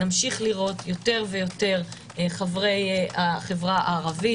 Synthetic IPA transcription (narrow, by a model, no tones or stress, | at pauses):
amʃiχliʁo̞tjo̞te̞ʁvejo̞te̞ʁ | χavʁe̞jaχevʁaaːʁavi